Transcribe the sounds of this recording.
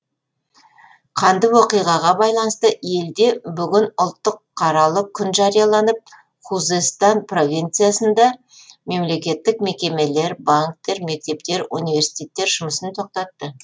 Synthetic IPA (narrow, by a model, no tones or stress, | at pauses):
qʰɑnd̪əwo̞qijʁɑʁɑbɑjlˠɑnəst̪əe̞ld̪e̞bʏɡʲɪnʊlˠt̪ːəqʰːɑɾɑlˠəkʲʰːʏnʒɑɾijɑlˠɑnəp̚ | χuzest̪ɑnpro̞vʲijnt̪sɨjasənd̪ɑ | me̞mle̞kʲe̞t̪ːɪkme̞kʲe̞me̞le̞ɾbaŋk̚t̪e̞ɾme̞k̚t̪e̞pt̪e̞ɾunijvʲe̞ɾsi̥t̪ʲe̞t̪ːe̞ɾʒʊməsənt̪ʰo̞q̚t̪ɑt̪ːə